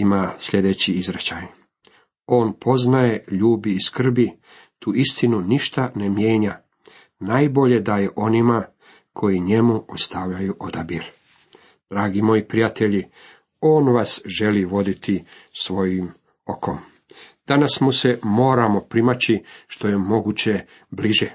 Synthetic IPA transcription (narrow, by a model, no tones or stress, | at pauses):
imasʎʲe̞d̪e̞t͡ɕiizɾet͡ɕaj | o̞ːnpʰo̞znajeʎuːbiːskr̩bi | t̪ʰuːist̪inuniʃt̪ane̞mje̞ːɲa | najbo̞ʎe̞d̪ajeʔo̞nima | kʰo̞jiɲe̞muost̪aʋʎajuʔo̞d̪abiɾ | d̪̥ɾaːɡimo̞jipɾijat̪e̞ʎi | o̞ːnʋasʒe̞liʋo̞d̪it̪ʰisʋo̞jim | o̞kʰo̞m | d̪̥anasmuse̞mo̞ːɾamo̞pɾimat͡ɕiʃt̪o̞je̞mo̞ɡut͡ɕe̞ | bliʒe